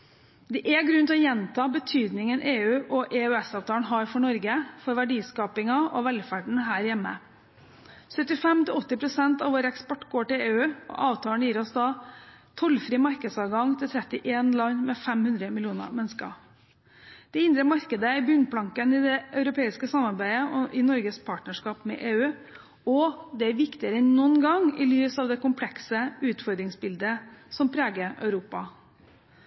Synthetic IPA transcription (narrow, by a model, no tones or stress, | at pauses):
d̪ɛʔɛɡɾʉnt̪ʰɔjɛnt̪ʰɑːbət̪ʰyːd̪nɪŋənʔeːʉːʔɔʔɛːʉɛsɑːʋt̪ʰɑːɳɦɑːɾfɔɳɔɾɡəfɔɾʋæɖiːskɑːpɪŋɑɔʋɛlfæɖɳ̩ɦæːɾjɛmːə̰ | sœt̪ːɪfɛmt̪ɪlɔt̪ːɪpʰɾʊsɛnt̪ɑʋoːɾəɛkspɔʈːɡoːʈɪleːʉːɔ̰ʔɑːʋt̪ʰɑːəɳjiːɾɔsd̪ɑːt̪ʰɔlfɾiːmɑɾkəd̪sɑːʋɡɑŋt̪ʰɪlt̪ʰɾɛt̪ːɪʔeːnlɑɲmɛfɛmhʉnd̪ɾəmɪlɪuːnə̰mɛnskɑ̰ | d̪̥ɛɪnd̪ɾəmɑɾkəd̪əɪbʏnpʰlɑŋkənɪd̪ɛʔœʉɾʊpeːɪskəsɑmɑɾbæɪəʔɔʔɪnɔɾɡəspʰɑːʈnəʂkɑːpmɛ̰ʔeːʉː | ɔd̪ɛæɾʋɪkt̪ɪəɾənːɔnɡɑŋɪ̰lyːsɑːʋd̪ɛkʊmpʰlɛksəʉːt̪fɔɾd̪ɾɪŋsbɪld̪əsɔmpʰɾeːɡəœ̰ʉɾuːpɑ